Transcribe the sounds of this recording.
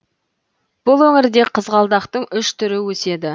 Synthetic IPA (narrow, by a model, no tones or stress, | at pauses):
b̥ʊlˠwɵŋɪɾd̪e̞qʰəzʁɑlˠd̪ɑqt̪əɴʏʃt̪ʰʏɾɪwɵse̞d̪ɪ